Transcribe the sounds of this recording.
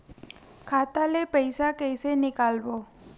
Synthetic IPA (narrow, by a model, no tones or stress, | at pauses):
kʰat̪alepəɪsakəjsenɪkalbo